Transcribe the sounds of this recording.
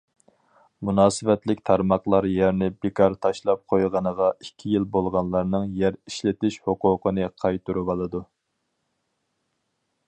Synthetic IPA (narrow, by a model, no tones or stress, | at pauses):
munɑːsɨvɛt̪lɪkʲt̪ʰɑɾmɑχlˠɑɾjæɾnɪbɪkʰɑɾt̪ʰɑʃlˠɑp̚qʰojʁɑnəʁɑikʲʰːijilbolˠʁɑnlˠɑɾnɨŋjæɾiʃlɪt̪ɪʃhoqʊːqʰənɨqʰɑjt̪uɾubɑlˠɨd̪u